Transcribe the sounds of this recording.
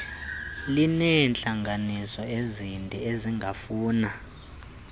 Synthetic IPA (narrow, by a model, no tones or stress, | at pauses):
linɛnt͡ɬʼaŋɡʱanisɔezindʼʱɛeziŋɡʱafuːna